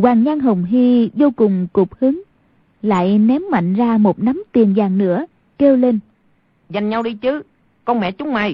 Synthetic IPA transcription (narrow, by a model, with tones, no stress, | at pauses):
waː˨˩ŋɲa˧nɦə˨˩wŋ͡mɦi˧zo˧wkʊ˨˩ŋ͡mkʊ˨˩k͡p̚hɨ˨˦ŋ | la̰ː˧˨jnɛ˨˦mːa̰˧˨jŋ̟zaː˧mo˨˩t̚na˨˦mt̪i˨˩ənzaː˨˩ŋnɨ̰˧˥ə | ke˧wle˧n | za˨˩jŋ̟ɲa˧wɗi˧t͡ɕɨ˨˦ | kɔ˧nmɛ̰˧˨t͡ɕʊ˨˦ŋ͡mma̰˧˩j